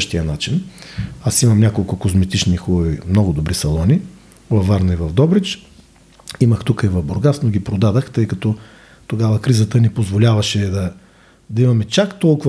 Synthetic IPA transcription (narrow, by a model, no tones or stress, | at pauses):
ʃt̪ijənat͡ʃinasimɐmnʲakolˠkʊkozmɛt̪it͡ʃnixulovimnɔɡʊd̪obɾisɐlˠɔni | vɐfːaɾnɐivɐvd̪ɔbɾit͡ʃ | iməxt̪ukəivɐvboɾɡasnoɡʲipɾod̪ad̪əxt̪ɤjkɐt̪ɔ | t̪oɡavɐkɾizət̪ənipozvolʲavɐʃɛd̪ɐ | d̪ɐimɐmɛt͡ʃakt̪ɔlˠkʊ